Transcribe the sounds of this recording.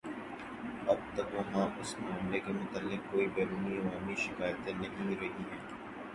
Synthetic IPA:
ɐb̚t̪ɐkʋɐɦãːʔʊsmẽɐmlekemʊt̪əlːɪk̚kːoːibɛːɾuːniʋaːmiʃɪkaːjət̪ẽnɐɦĩɾɐɦiɦɛː

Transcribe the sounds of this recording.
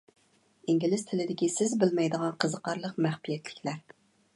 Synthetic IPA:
iŋɡʲilɪst̪ʰɪlɪd̪ɪkʲisɪzbɪlmɛjd̪əʁɑnqʰəzəqʰɑɾlˠəqmæχbijɛt̪lɪkʲlæɾ

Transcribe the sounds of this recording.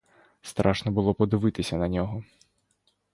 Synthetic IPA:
st̪ɾʔaʂnɐbɨlˠɔpɐd̪ɨvɨt̪ɨsʲɐnɐnʲɔɣɔ

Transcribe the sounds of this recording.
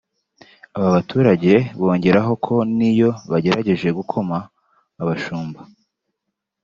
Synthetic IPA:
aβaβatuːɾaɟe̞βo̞ːɲɟe̞ɾaɦo̞kʰo̞nijo̞βaɟe̞ɾaɟe̞ʒe̞ɡukʰo̞maː | βaʃuːmba

